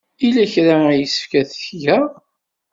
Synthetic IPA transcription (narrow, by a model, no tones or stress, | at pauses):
ilæçɾajəsə̥fkæθə̥çjæ